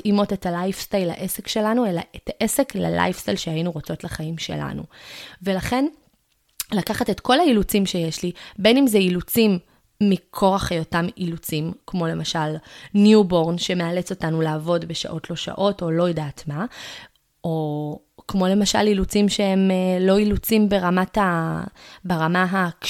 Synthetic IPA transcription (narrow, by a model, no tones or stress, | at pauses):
imo̞te̞talajfstajla̰ʔese̞kʃe̞lanue̞laʔetaʔe̞sekla̰la̰jfstajlʃeajinuʁot͡so̞tlaχaimʃe̞̰la̰nṵve̞laχe̞n | lakaχatetko̞lailut͡simʃe̞jeʃlibe̞nimzeilut͡simː | ikʰo̞ʁaχajotamilut͡simkmo̞le̞maʃalnjubo̞ʁnʃe̞me̞alet͡so̞tanulaːvo̞dbe̞ʃa̰ʔo̞tlo̞ʃa̰ʔo̞to̞lo̞jedaːtma | o | kmo̞le̞maʃa̰lilut͡simʃe̞he̞mlo̞ilut͡simbe̞ʁamata | beʁamaɦak